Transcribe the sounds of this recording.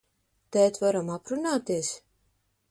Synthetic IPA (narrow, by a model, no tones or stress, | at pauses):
t̪ɛːt̪vaɾamapɾunaːt̪es